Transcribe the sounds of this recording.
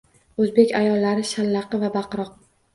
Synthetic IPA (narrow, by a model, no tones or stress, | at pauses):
ɵzbe̞kʲajɒlːaɾɪʃalːɑqʰɨvabaqɾɒq̚